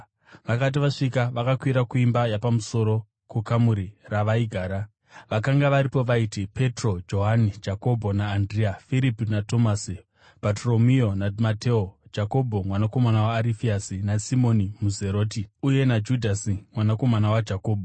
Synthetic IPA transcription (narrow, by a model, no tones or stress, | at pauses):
ʋakat̬iʋaʂikaʋakakwiɾakuimbajapamuso̞ɾo̞ | kukamuɾiraʋaiɡʱaːɾa | ʋakaŋɡaʋaɾipo̞ʋaitipʰe̞tro̞d͡ʒo̞ɦanid͡ʒako̞bʱo̞naːndriafiɾipinato̞masi | patro̞mio̞namateod͡ʒako̞bʱo̞mwanako̞manawaːɾifiasinasimonimuze̞ɾo̞ːtiuje̞nad͡ʒudʱasimwanako̞manawad͡ʒako̞ːbʱo